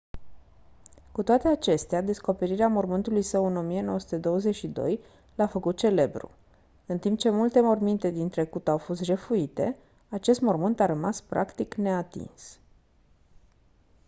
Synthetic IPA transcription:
kut̪oat̪e̞at͡ʃe̞st̪ead̪e̞sko̞pe̞ɾiɾeamo̞rmɨnt̪ulujsəwɨno̞mije̞no̞wəsu̥t̪e̞d̪o̞wəze̞ʃid̪o̞̰j | lafəkut̪̚t͡ʃe̞le̞bɾṵ | ɨnt̪imp̚t͡ʃe̞mult̪e̞mo̞rmint̪e̞d̪int̪ɾe̞kut̪awfo̞st̪ʒefuit̪e̞̰ | at͡ʃe̞st̪mo̞rmɨnt̪aɾəmaspɾa̰kt̪ikne̞at̪ḭns

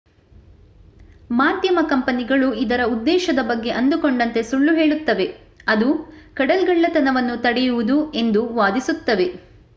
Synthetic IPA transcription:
maːd̪jɐmɐkɐmpɐniɡɐɭuid̪ɐɾɐud̪ːɛːʃɐd̪ɐbɐɡːe̞ʔɐnd̪ukoɳɖɐnt̪e̞suɭːuɦeːɭut̪ːɐʋe̞ | ɐd̪ukɐɽɐlɡɐɭːɐt̪ɐnɐʋɐnːut̪ɐɽɛjuʋud̪ue̞nd̪uʋaːd̪isut̪ːɐʋe̞

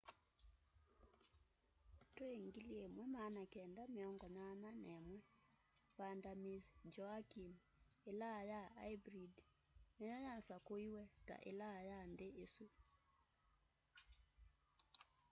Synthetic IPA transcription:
toeŋɡiliemwɛmanakɛndameɔŋɡɔnananɛmwɛ | pandamisd͡ʒɔakim | elajaaibɾid | nejɔɲasakoiwɛta̰ʔḛlajandeesu

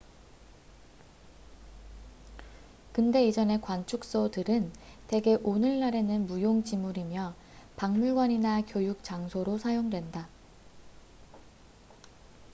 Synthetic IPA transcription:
kɯnde̞id͡ʑʌne̞kwant͡ɕʰuk̚s͈odɯɾɯnte̞ɡe̞ʔonɯɭːaɾe̞nɯnmujoŋt͡ɕimuɾimjʌ | paŋmuɭɡwʌɲinakjojuk̚t͡ɕ͈aŋsʰoɾosʰajoŋdwe̞nda

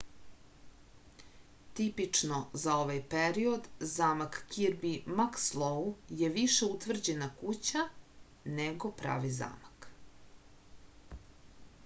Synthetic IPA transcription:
t̪ipit͡ʂno̞zao̞ʋajpeɾio̞d̪zaːmakːiɾbimakslˠouje̞ʋiʃe̞ut̪ʋr̩d͡ʑenakut͡ɕa | neɡo̞pɾa̰ːʋiza̰ːmak

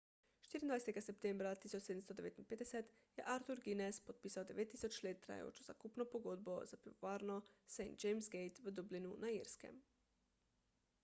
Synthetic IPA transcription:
ʃt̪iɾind̪ʋajset̪ɡasep̚t̪embɾat̪isot͡ʃsed̪m̩st̪od̪eʋet̪inped̪eset̪ | jḛʔaɾt̪uɾɡinespod̪̚piːsaod̪eʋet̪ːi̥sot͡ʃlet̪ːɾa̰j̰jo̰t͡ʃoza̰kupnopoɡod̪̚bozapɾioʋaɾnosejnt̪̚d͡ʒejmsɡejt̪ʋəd̪ublinunʔaiɾskḛm

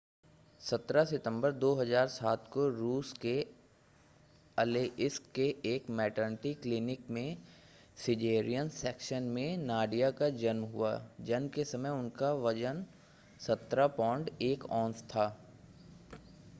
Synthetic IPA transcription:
sɐt̪ɾasɪʈ̪ə̃mbəɾd̪oːɦɐzaːɾsaːt̪koɾuːske | ɐleʔɪskːeeːkmɛːʈənʈiklɪnɪkmẽ | sɪd͡ʒeːɾijənsɛːkʃənmẽnaːɖijakad͡ʒɐnmɦʊad͡ʒɐnmkesɐməjʊnkaʋɐd͡ʒən | sɐt̪ɾapɔ̃ːɳɖeːkɔ̃ːnt̪t̪ʰaː

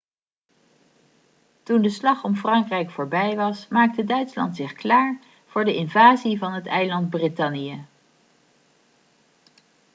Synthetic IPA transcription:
tundəslɑχɔmfrɑŋkrɛjkfʊːɹbɛjʋɑsmaːk̚tədœɥtslɑ̰ntsɪχklaːɹ | v̥ʊːɹdəʔɪnvaːzivɑnɦətɛjlɑnd̚britɑnijə

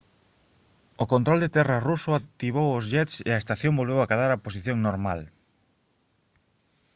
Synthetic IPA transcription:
okont̪ɾold̪et̪ɛrɐrusʊat̪iβ̞owozʎɛt̪sḛɐest̪aθjõmbolβewakaðaɾapos̬iθjõŋnoɾmal

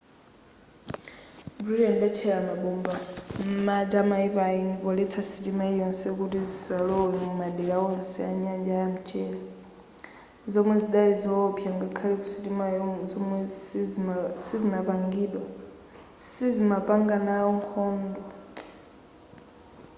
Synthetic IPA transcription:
buɾudɛndɛt͡ʃʰɛɺamaɓumbam̩mad͡ʒamaipainikɔlɛt͡sʰasitimaijɔnsɛk̬utizisalɔinumaɗɛlaɔnsɛaɲand͡ʒajam̩t͡ʃʼɛla | zɔmwɛziɗalizɔpʰjaŋɡakʰaliku̥sitimazɔmwɛ | sizinapaŋɡiːɗwa | sizimapaŋɡanaɔŋkʰɔːndwa

